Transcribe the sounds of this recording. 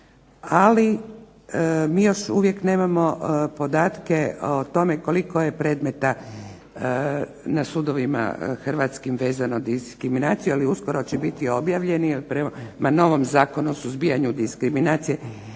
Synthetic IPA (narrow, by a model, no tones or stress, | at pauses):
ali | miːjo̞ʃuʋje̞kne̞ːmamo̞po̞d̪aːt̪keot̪o̞meko̞likojepɾe̞ːd̪me̞t̪a | nasud̪o̞ʋima̰xr̩ʋat̪skimʋe̞ːzanod̪iskɾiminaːt̪sijualiuskoɾot͡ɕɛbit̪io̞bjaʋʎe̞niilipɾemano̞ʋomzaːko̞nuosuzbijaɲud̪iskɾiminaːt̪sije